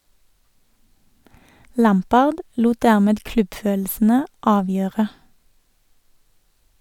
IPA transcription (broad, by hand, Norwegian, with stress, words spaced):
ˈlæmˌpɑːʁd ˈluːt ˈdæʁˌmeːd ˈklʉbˌføːll̩sn̩ə ˈɑːˌʋjøːʁə